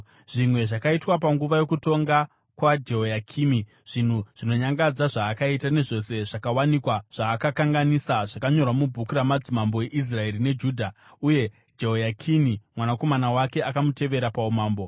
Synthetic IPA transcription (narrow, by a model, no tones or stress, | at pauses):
ʐ̥imwe̞ʐakaitwapaŋɡuʋajo̞kuto̞ŋɡa | kwad͡ʒe̞ɦojakʰiːmi | ʐ̥in̤uʐ̥ino̞ɲaŋɡad͡zaʐaːkaitane̞ʐo̞se̞ʐakawanikwaʐ̥aːkakaŋɡanisaʐakaɲo̞rwamubʱukuɾamad͡zimambo̞eʔis̬rae̞ɾine̞d͡ʒuːdʱa | uje̞ | d͡ʒe̞ɦojakʰinimwanako̞manawake̞ʔakamute̞ʋe̞ɾapaumaːmbo̞